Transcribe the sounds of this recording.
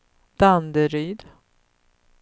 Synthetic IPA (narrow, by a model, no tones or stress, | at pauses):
d̪̥and̪əɾyːd̪